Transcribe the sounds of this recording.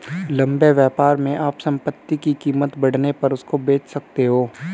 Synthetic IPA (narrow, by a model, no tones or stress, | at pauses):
lɐ̃mbeʋjɛːpaːɾmẽʔaːpsɐ̃mpət̪ːikikiːmət̪bɐɽ̤nepɐɾʊskobeːt͡ʃʰsɐk̚t̪eɦoː